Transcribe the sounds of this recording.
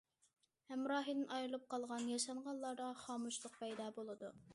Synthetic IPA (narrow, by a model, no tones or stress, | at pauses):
hɛmɾɑːɦid̪ɪnʔɑjɾɨlˠɨp̚qʰɑlˠʁɑnjɑʃɑɴʁɑnlːˠɑɾd̪ɑχɑːmuʃlˠʊq̚pʰɛjd̪ɑːbolˠɨd̪u